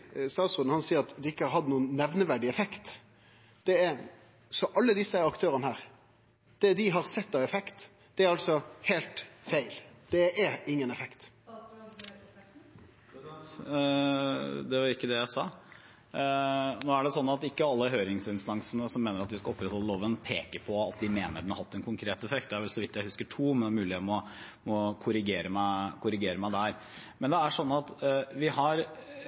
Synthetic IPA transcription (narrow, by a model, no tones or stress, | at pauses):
st̪ɑːt̪sʊd̪n̩hɑnsiːəɾɑt̪d̪ɛɪkːəɑɾɦɑd̪nuːənːɛʋnəʋæɖɪɛfɛkt̪ | d̪̥ɛɛɾ | sɔʔɑlːəd̪ɪsːəɑkt̪ʰøːɾənəhæːɾ | d̪̥ɛd̪ɪɦɑɾsɛt̪ːɑʋɛfɛkt̪ | d̪̥ɛæɾɑlsɔhæːlt̪fæɪld̪̥ɛɛɾɪŋːənɛfɛkt̪ | d̪ɛʋɑɾɪkːəd̪ɛjæɪsɑː | noːæɖɛsɔnːɑt̪ɪkːəɑlːəɦøːɾɪŋsɪnst̪ɑŋsənəsɔmːeːnəɾɑt̪ʋɪskɑɔpːɾɛt̪hɔlːəloːʋənpʰeːkəpʰɔɑt̪̚d̪ɪmeːnəɖɛɳɑhɑt̪ːɛnkʰʊŋkʰɾeːt̪ɛfɛkt̪̚d̪ɛæɾʋɛlsɔʋɪt̪ːjæɪhʉskəʈʰuːmɛnɛmʉːlɪet̪mɔ | mɔkʰʊɾɪɡeːɾəmækʰʊɾɪɡeːɾəmæɪd̪æɾ | mɛnd̪ɛæʂɔnːɑt̪ʋɪhɑɾ